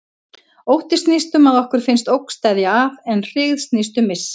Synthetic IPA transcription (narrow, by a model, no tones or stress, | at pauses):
owht̪ɪ̥st̪nist̪ʏmaðɔhkʏɾ̥fɪnst̪owkst̪ɛðjaavɛnr̥ɪɣðst̪nist̪ʏmːɪs